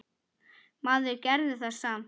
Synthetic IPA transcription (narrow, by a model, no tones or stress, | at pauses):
maːðɪɾcɛɾðɪθḁsaːm